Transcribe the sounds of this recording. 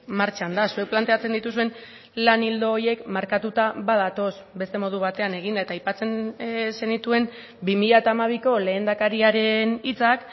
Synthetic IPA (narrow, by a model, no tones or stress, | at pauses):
maɾt͡ʃand̪asue̞k̚plant̪e̞at͡se̞nd̪it̪usue̞n | lanild̪o̞ːje̞kmaɾkat̪ut̪aβaðat̪o̞sbe̞st̪e̞mo̞ð̞uβ̞at̪e̞ane̞ɣind̪ae̞t̪aːjpat͡se̞nse̞nit̪ue̞m | bimiʎaet̪aːmaβ̞iko̞le̞ːnd̪akaɾiaɾe̞nit͡sak